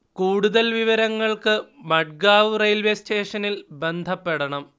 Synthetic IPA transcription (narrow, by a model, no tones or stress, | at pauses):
kuːɽuðɐlʋiʋɐɾɐŋːɐɭkɨmɐɖ̚ɡaːʋrɐjlʋjɐsteːʂɐnilbe̞nd̪ʱɐpːe̞ɽɐɳɐm